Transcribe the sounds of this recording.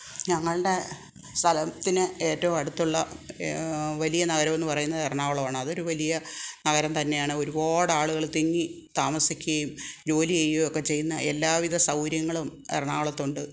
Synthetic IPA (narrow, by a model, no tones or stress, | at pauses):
ɲɐŋːɐɭɨɽe̞ | st̪ʰɐlɐt̪ːinɨe̞ːtːɐʋumɐɽut̪ːuɭːɐ | ʋɐlijɐnɐɣɐɾɐmenːɨpɐrɐjunːɐðerɳaːʋɐɭɐʋaːɳɨɐðo̞ɾuʋɐlijɐnɐɣɐɾɐmt̪ɐnːe̞jaːɳɨo̞ɾuboːɽaːɭuɣɐɭt̪iŋːi | t̪aːmɐsikʲːuɣɐjumd͡ʑo̞ːliejːojokːe̞t͡ɕe̞junːɐʔelːaːʋiðɐsɐwɾjɐŋːɐɭumḛrɐɳaːʋɐɭɐt̪ːuɳɖɨ